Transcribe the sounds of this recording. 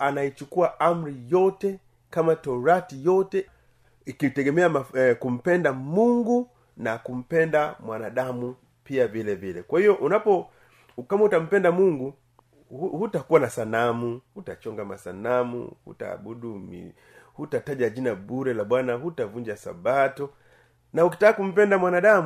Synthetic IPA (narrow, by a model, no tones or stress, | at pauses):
anait͡ʃukuaam̩ɾijɔtɛ | kamatɔɾatijɔtɛ | ikitɛɡɛmɛamakum̩pɛndamuŋɡu | nakum̩pɛndamwanaɗamu | piavilɛvilɛ̰kwahiɔʔunapɔ | kamɔutam̩pɛndamuŋɡu | hhutakuwanasanamuhutat͡ʃɔŋɡama̰sanamṵhṵta̰ːɓuɗumḭ | hutataʄad͡ʒinaɓuɾɛlaɓwanahutavuɲd͡ʒasa̰batɔ | nauki̥takːakum̩p̬ɛndamwanaɗamu